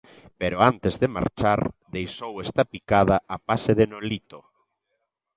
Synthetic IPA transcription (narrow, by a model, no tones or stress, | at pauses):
peɾoant̪ezðema̰ɾt͡ʃaɾðejsowest̪ɐpikaðɐapaseðenolit̪o